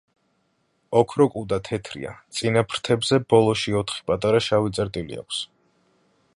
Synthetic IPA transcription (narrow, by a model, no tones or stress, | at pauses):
ɔkʰɾɔkʼud̪at̪ʰɛt̪ʰɾḭa̰t̪sʼinapʰɾt̪ʰɛbzɛbɔlˠɔʃiɔt̪ʰχi̥pʼat̪ʼaɾaʃavit̪sʼɛɾt̪ʼilḭa̰kʰs